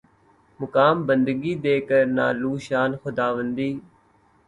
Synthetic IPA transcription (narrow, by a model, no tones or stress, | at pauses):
mʊkaːmbənd̪ɡiːd̪eːkəɾna̰ːluːʃaːnxʊd̪aːʋənd̪iː